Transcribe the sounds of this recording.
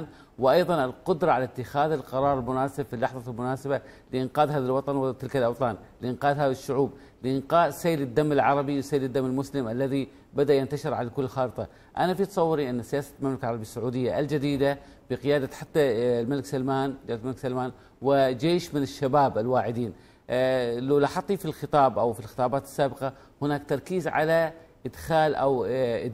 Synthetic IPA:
n | wɪʔɑjðˤɑnɪlqʊd̪ɾˤɑʕalat̪ːɪxaːðɪlqɑɾˤɑːɾˤɪlmʊnaːsɪbfilːɑħðˤɑlmʊnaːsɪbalɪʔɪnqɑːðɦaːðalwɑt̪ˤɑnwɪt̪ɪlkalʔɑwt̪ˤɑːn | lʔɪnqɑːd̪ɦaːðaʃːʊʕuːb | lɪʔɪnqɑːdsajːlɪd̪ːamːɪlʕɑɾˤɑbiwsajːlɪd̪ːamːɪlmʊslɪmʔalːaði | bad̪aʔjant̪aʃɪɾʕalakʊlːxɑːɾɨt̪ˤɑ | ʔanafit̪ɑsˤɑwːɪɾiʔanːsɪjaːsalmamlakalʕɑɾˤɑbisːʊʕuːd̪ɪjːaʔld͡ʒad̪iːd̪a | b̥ɪqɪjaːd̪aħat̪ːalmalɪksalmaːnd͡ʒaːllmalksalmaːn | wɪd͡ʒeːʃmɪnɪʃːabaːbʔɪlwaːʕɪd̪iːn | lawlaħɑt̪ˤːifilxɨt̪ˤɑːbʔawfilxə̥t̪ˤɑːbaːt̪ɪ̥sːaːbɪqɑ | hʊnaːk̚t̪ɑɾˤkiːzʕa̰laʔɪd̪xaːlʔaw

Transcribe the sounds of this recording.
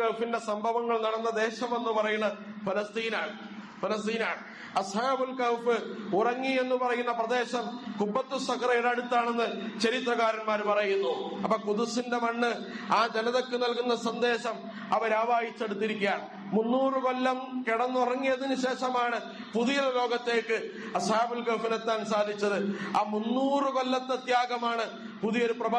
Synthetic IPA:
kɐwfinde̞sɐmbʱɐʋɐŋːɐɭnɐɽɐnːɐd̪e̞ːɕɐmenːɨpɐrɐjunːɐfɐlɐst̪iːnaːɳɨ | fɐlɐst̪iːnaːɳɨ | ɐshaːbulkɐwfɨurɐŋːie̞nːupɐrɐjunːɐprɐd̪e̞ːɕɐmkubːɐt̪ːusɐkɐrɐjuɽeɐɽut̪ːaːɳe̞nːɨt͡ɕɐɾit̪rɐɣaːɾɐnmaːɾpɐrɐjunːuɐpːɐkuðusinde̞mɐɳːɨ | aːd͡ʑenɐðo̞kːɨnɐlkunːɐsɐnd̪e̞ːɕɐm | ɐʋɐɾaːʋaːjit͡ɕːeɽut̪ːiɾikʲːjaːɳ | munːuːrɨko̞lːɐmkiɽɐnːurɐŋːijɐðinɨɕe̞ːʂɐmaːɳɨ | puðijɐllo̞ːɡɐt̪ːe̞ːkːɨ | ɐsaːbulkɐfinet̪ːaːnsaːd̪ʱit͡ɕːɐðɨaːmunːuːrɨko̞lːɐt̪ːɐt̪jaːɡɐmaːɳɨ | puðijo̞ɾuprɐbʱ

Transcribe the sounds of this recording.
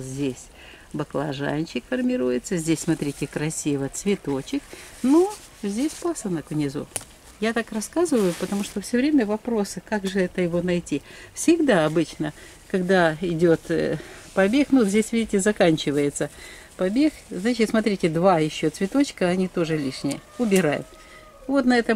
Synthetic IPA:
zʲdʲesʲ | bɐklˠɐ̰ʐa̰nʲt͡ɕɪkfərmʲɪɾujɪt̪səzʲdʲesʲsmɐt̪ɾʲitʲɪkɾɐsʲivət̪svʲɪt̪o̞t͡ɕɪkno | zʲdʲesʲpasənəkʊnʲɪzo̰ | jat̪akrɐskazɨvəjʊpət̪ɐmuʂt̪ofsʲɵvɾʲemʲəvɐpɾo̞sɨkaɡʐɨɛt̪əjɪvo̞nɐjtʲifsʲɪɡd̪aɐbɨt͡ɕnə | kɐɡd̪aɪdʲot̪pɐbʲexnuzʲdʲesʲvʲidʲɪtʲɪzɐkanʲt͡ɕɪvəjɪt̪sə | pɐbʲe̞xznat͡ɕɪt̪smɐt̪̬ɾʲitʲɪd̪vajɪɕːo̞t̪svʲɪt̪o̞t͡ɕkəɐnʲit̪o̞ʐɨlʲiʂnʲɪjə̰ʊbʲɪɾajʊ̰t̪ | vo̞t̪nɐɛt̪ə

